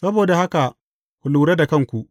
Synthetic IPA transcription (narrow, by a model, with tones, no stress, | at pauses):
sɐ˦boː˨da˨ha˦ka˨ | kʷʊ˨luː˨ɾe˦da˨kɐ˦ŋkʷu˨ʔ